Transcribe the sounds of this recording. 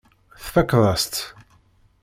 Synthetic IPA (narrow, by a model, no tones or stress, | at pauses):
θfækːðˤɑst̪